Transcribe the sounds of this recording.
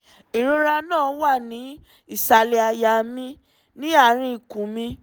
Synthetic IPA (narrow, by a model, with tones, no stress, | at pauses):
i˨ɾo˧ɾa˧nãː˦˨wa˦˨nĩ˨˦ | i˦˨sa˨le˨a˧ja˧˨mĩ˧ | nĩ˦a˦˨ɾ̃ĩ˧i˨kũ˨mĩ˧